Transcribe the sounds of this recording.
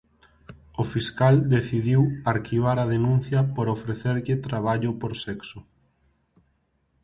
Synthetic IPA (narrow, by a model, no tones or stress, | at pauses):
ofiskald̪eθiðiwaɾkiβ̞aɾɐðenũn̟θjɐpoɾofɾeθeɾʎɪt̪ɾaβ̞aʎʊpoɾsɛksʊ